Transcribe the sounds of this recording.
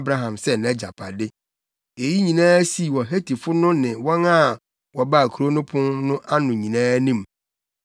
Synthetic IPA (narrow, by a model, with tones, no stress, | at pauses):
bɾa˦ɦã˨msɛ˦nɛ̃˦d͡ʑa˨pʰa˨dɪ˦ | e˨ji˦ɲĩ˨nãː˦si˦˨wɔ˨ɦe˦tʰi˨fʊ˦nʊ̃˦nɪ̃˨wɔ̃˦na˦ | wɔ˨ba˦˨kʰu˨ɾo˦nʊ̃˦pʰʊ̃˦nnʊ̃˦ʔa˦nʊ̃˨ɲĩ˨nãː˦nĩ˦m